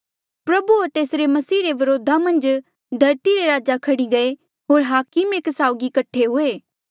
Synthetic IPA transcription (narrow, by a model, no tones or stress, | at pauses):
pɾɐbuoɾt̪eːsɾemɐsiːɾeʋɐɾoːd̪ʱamɐ̃nd͡ʒ | d̪ʱɐɾt̪iɾeɾaːd͡ʒakʰɐɽiɡɐe | ɦoːɾɦaːkɪmeːksaːʊɡikɐʈʰːeɦʊeː